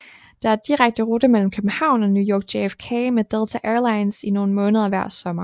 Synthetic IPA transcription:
d̥ɑ̈æɐd̥iʁaɡ̥̚d̥əʁod̥əmel̰m̩kʰøb̥n̩hɑ̈ʊ̰nɒ̽njujɒːɡ̥̚d̥eefkʰemed̥elt͡sʰæʔeːɐlɑ̈ɪnsino̝ːn̩mɔ̽ːnəð̞ˠɐʋæɐ̰sɒ̽mɐ

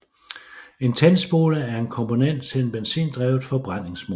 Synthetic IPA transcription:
e̝nt͡sʰensb̥o̝ːləæɐe̝nkʰɒ̽mpʰo̝nen̰d̥̚t͡sʰe̝lnb̥ensḭːnd̥ʁɛːʊð̩ˠfɒ̽b̥ʁan̰e̝ŋsmo

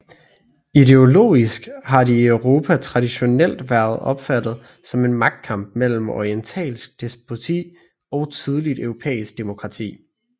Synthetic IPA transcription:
id̥e̝o̝lo̝̰ːisɡ̥ɦɑ̈diœʊʁo̝ːpʰæt͡sʰʁɑ̈ɾiɕo̝nel̰d̥ʋæɐð̞̩ˠɒ̽b̥fæd̥ð̞̩ˠ | sɒ̽me̝nmɑ̈ɡ̥̚d̥̚kʰɑ̈m̰b̥̚mel̰m̩ɒ̰ient͡sʰɛ̰ːlsɡ̥d̥e̝sb̥ʰot͡sʰḭː | ɒ̽ʊt͡sʰið̞ˠlid̥øʊʁo̝pʰḛːisɡ̥̚d̥e̝mo̝kʰʁɑ̈t͡sʰḭː

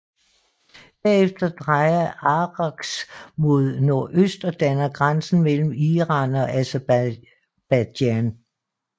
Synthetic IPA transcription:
b̥æɐefd̥ɐd̥ʁɑ̈ɪɐɑʁɑ̈ɡ̥smo̝ð̞ˠno̝ɐʔøsd̥ɒd̥ænɐɡ̥ʁansn̩mel̰m̩iʁɑ̈nɒ̽ʔæse | b̥æd̥æn

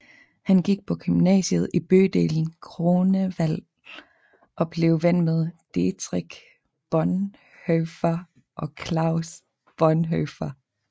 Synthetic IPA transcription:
hænɡ̥iɡ̥̚pʰɒ̽ɡ̥ʰymnɛ̰ːɕəð̩ˠib̥ø̰ːd̥e̝̰ːln̩kʰʁo̝ːnəʋæl̰ | ʔɒ̽b̥le̝ːʊʋen̰með̞ˠd̥et͡sʰʁiɡ̥ | b̥ɒn | høfɐ | ʔɒ̽kʰlɑ̈ʊs | b̥ɒnɦøfɐ

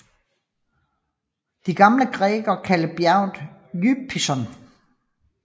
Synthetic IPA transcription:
d̥iɡ̥ɑ̈mləɡ̥ʁɛːɡ̥ɐkʰæləb̥jæʊ̰nd̥jypʰːisɒ̽n

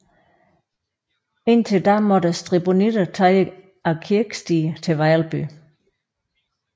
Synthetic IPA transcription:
e̝nt͡sʰe̝ld̥æmɔ̽d̥əsd̥ʁib̥o̝nid̥ət͡sʰɑɪə | ækʰiɐɡ̥sd̥iːt͡sʰe̝ʋɑɪɐlb̥y̰

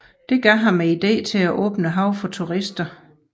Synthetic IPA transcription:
d̥e̝ɡ̥ɶɦɑ̈mːeid̥ḛːt͡sʰe̝æʔɔ̰ːb̥nəɦɑ̈ʊ̰fɒ̽t͡sʰuʁisd̥ɐ

